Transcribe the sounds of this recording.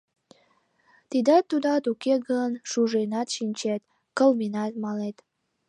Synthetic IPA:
t̪id̪ɑt̪ːud̪ɑt̪ukeɡənʃuʒejnɑt̪ʃinʲt͡ɕet̪ | kəlminɑt̪mɑlet̪

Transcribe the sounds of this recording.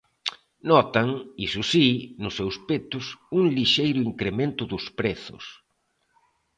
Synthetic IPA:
nɔt̪aŋisusinʊsːewspet̪ʊsuŋliʃejɾʊiŋkɾemẽnt̪ʊðʊspɾeθʊ̰s

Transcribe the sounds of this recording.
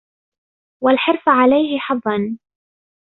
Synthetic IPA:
walħɪɾfʕalajhɪħɑðˤːɑn

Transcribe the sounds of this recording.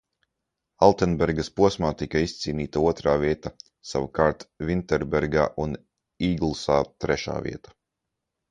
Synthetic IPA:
alˠt̪ɛnbɛɾɡaspuɔsmaːt̪ikaist̪siːniːt̪auɔt̪ɾaːviɛt̪a | sa̰vakaːɾt̪vʲint̪ɛɾbɛɾɡa̰ːʔun | iːɡlˠsaːt̪ɾɛʃa̰ːvḭɛt̪ḁ

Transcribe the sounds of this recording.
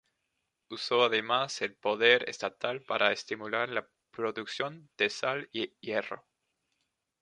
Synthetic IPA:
usoaðemaselpoðeɾḛst̪at̪alpaɾʔaest̪imulaɾla | pɾɾoðuksjo̞nd̪̥esalijero̰

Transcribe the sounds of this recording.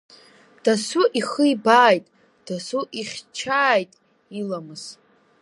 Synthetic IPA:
d̥asuʔiχəibaːjtʼ | d̥asuʔiχʲt͡ʃʰaːjtʼ | ilamɨz

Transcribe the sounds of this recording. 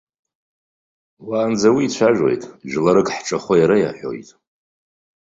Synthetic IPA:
waːnd͡zawiːt͡ɕʷʰaʒᶣo̞̰jtʼʒᶣlaɾɨkʼħʈ͡ʂʼaχʷajaɾaja̰ħʷᶣo̰jtʼ

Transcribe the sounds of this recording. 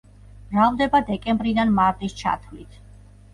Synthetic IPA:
b̥ɾavd̪ɛbad̪ɛkʼɛmbɾid̪anmaɾt̪ʼist͡ʃʰa̰t̪ʰvlit̪ʰ

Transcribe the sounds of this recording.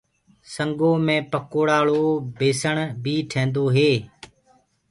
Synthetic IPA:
səŋɡoːmẽːpəkoːɽaːɭoːbeːsəɳbiːʈʰẽːnd̪oːɦeː

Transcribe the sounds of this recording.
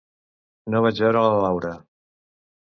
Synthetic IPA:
noβad͡ʒβɛɾələlawɾə

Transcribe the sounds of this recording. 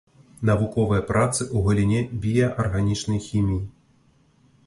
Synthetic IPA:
nɐʋʊkɔʋɪjɐpɾʔɑt̪sɪʔuɦɔlʲinʲɛbʲijɐʔɐrɦɐnʲit͡ʃnɔjxʲimʲiji

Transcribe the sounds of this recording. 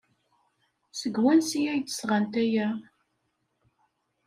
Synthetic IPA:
səɡwænsijæjt͡sːə̥sʁant̪æjæ

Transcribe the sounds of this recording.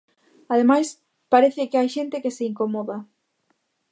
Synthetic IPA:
aðemajs | paɾeθɪkeajʃent̪ɪkeseiŋkomoða

